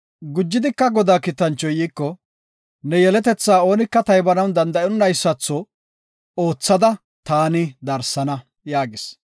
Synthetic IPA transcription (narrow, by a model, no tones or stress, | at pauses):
ɡʊd͡ʒːɪd̪ɪkːɐɡɔd̪aːkɪt̪ːɐnt͡ʃːɔjiːkːɔ | nɛjɛlɛt̪ɛt͡sːaːo̞ːnɪkːɐt̪ɐjbɐnɐwnd̪ɐnd̪ɐjɔnːɐjsːɐt͡sːɔ | o̞ːt͡sːɐd̪ɐ | t̪aːnɪd̪ɐɾsɐnɐ | jaːɡɪs